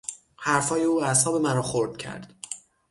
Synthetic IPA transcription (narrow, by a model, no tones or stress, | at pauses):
hæɾfɒːjeuːæshɒːbe̞mæɾɒːxoɾd̪̥cʰæ̰ɾd̪̥